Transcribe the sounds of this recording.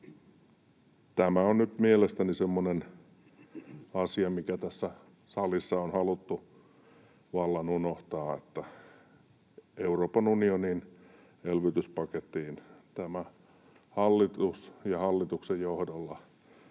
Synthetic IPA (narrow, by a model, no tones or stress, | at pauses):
t̪æmæonnyt̪mielest̪ænisemːonen | ɑsiɑmikæt̪æsːæ | sɑlisːɑonhɑlut̪ːu | ʋɑlːɑnunoht̪ɑːḛt̪ːæ | euroːpɑnunionin | elʋyt̪yspɑket̪ːiːnt̪æmæ | hɑlːit̪usjɑhɑlːit̪uksejjohdolːɑ